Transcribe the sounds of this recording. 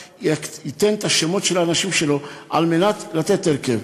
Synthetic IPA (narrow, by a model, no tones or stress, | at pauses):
ɛkit̪ːɛnt̪aʃːɛmɔt̪ʃɛlanaʃimʃɛloʔa̰lmenat̪lat̪ɛt̪ːɛɾkɛv